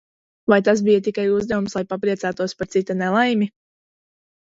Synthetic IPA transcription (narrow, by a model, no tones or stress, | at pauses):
vajt̪as̬bijat̪ikajuzd̪avumslˠajpapɾiɛsæːt̪uɔspaɾt̪sit̪anɛlˠajmi